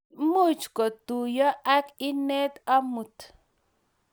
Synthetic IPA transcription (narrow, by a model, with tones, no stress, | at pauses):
mu˦˨t͡ʃkɔ˨t̪u˨jɔ˦ʔa˦ki˦ne˦t̪a˦mu˨t̪